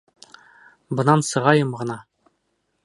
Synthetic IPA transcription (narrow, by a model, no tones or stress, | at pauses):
bɤ̆nɑnsɤ̆ʁɑjɤmʁɤ̆nɑ